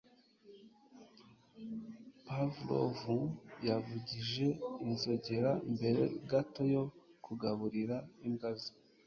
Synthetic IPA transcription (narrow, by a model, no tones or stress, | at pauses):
pavulo̰vujavuɟiʒe̞inzo̞ɟe̞ɾaimbe̞ɾe̞̰ɡato̞jo̞kʰuɡaβuɾiɾaimɡazi̥